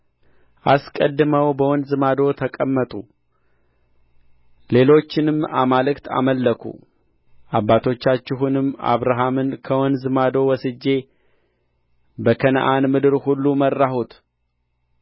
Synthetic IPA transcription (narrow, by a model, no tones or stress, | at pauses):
ʔaskʼəd̪ːɨməwbəwɔnd̪zɨmad̪o̞t̪ʰəkʼəmːət̪ʼu | le̞lo̞t͡ʃːɪnɨma̰malɨkt̪ʰa̰məlːəkʰṵ | ʔabːat̪ʰo̞t͡ʃːat͡ʃːɪɦunɨmːa̰βɾaɦamɨnkʰəwɔnd̪zɨmad̪o̞wɔsɨd͡ʒːe̞ | bəkʰən̰ʔanmɨd̪ɨɾhulːumərːahut̪